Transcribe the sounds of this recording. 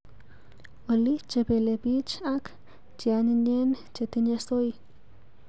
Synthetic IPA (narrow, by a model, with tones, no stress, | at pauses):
oli˦t͡ʃe˧be˧lebi˦t͡ʃak | t͡ʃia˧ni˧ne˦n | t͡ʃe˧t̪i˧na˧so˦j